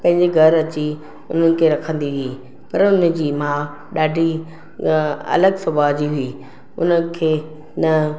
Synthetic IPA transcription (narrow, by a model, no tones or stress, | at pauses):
pɐ̃ɦɪ̃ɲd͡ʑeɡʱɐɾɐt͡ɕi | ʊn̤ənɪ̆kʰeːɾɐkʰə̃nd̪iɦʊiː | pɐɾʊnə̆d͡ʑiːmãː | ɗaːɖʱi | ɐ̰ləɡsɐbaːd͡ʑiɦʊiː | ʊ̰nəkʰeː | nɐ